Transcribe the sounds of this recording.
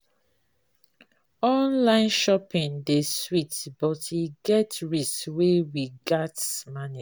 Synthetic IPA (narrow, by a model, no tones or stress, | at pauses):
ɔ̃nlãɪ̃nʃɔpĩndeswitbɔtiɡɛtɹisweɹiɡatsmani